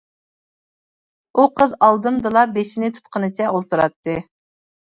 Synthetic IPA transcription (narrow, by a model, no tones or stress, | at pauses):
uqʰəzɑlˠd̪ɨmd̪ɨlˠɑbeʃinɪt̪ʰu̥t̪qʰənɨt͡ʃʰɛolˠt̪uɾɑt̪ːɨ